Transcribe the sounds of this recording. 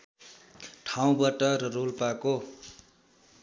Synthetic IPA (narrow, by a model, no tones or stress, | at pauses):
ʈʰaw̃baʈʌɾʌrolpako